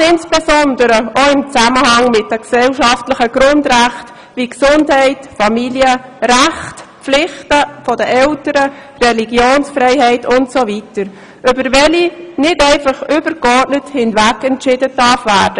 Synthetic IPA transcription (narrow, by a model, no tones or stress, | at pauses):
ɪnsb̥ɛsɔndəɾəʔoɪmt͡sæməhɑŋmɪt̚d̥əksɛlʃɑftlɪχəɡɾʊndʁæχt | viksʊndhɛɪtfɑmiljəɾæχtpflɪχtəfɔdəʔɛltəɾə | rɛliɡjoːnsfrɛɪhɛɪtʊntsovitəɾ | ʔʏbəɾvɛlinɪtɛɪfɑχʏb̥əɾkɔrtnəthɪntvækɛntʃɪdədɑɾfvæːɾd̥ə